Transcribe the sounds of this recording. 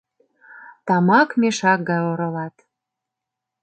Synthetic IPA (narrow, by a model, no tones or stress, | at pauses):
t̪ɑmɑkmʲeʃɑk̚ɡɑjoɾɤ̆lɑt̪